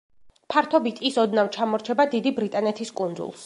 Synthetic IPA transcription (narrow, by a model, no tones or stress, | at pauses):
pʰaɾt̪ʰɔbit̪ʰʼisɔd̪navt͡ʃʰamɔɾt͡ʃʰɛbad̪id̪ibɾit̪ʼanɛt̪ʰiskʼund̪zṵlˠs